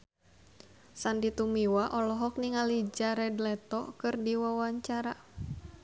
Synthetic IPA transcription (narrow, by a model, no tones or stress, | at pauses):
sandit̪umiwaʔɔlɔɦɔk̚niŋalid͡ʒaɾɛdlɛt̪ɔkɨrdiwawaɲt͡ʃaɾa